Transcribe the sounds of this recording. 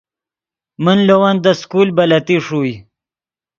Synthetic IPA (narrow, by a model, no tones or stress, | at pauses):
mənlowand̪əskulbɐlat̪iʂuj